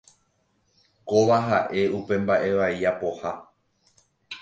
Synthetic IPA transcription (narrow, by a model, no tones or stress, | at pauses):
koʋaɦaʔe̞upe̞mbaʔe̞ʋajapo̞ha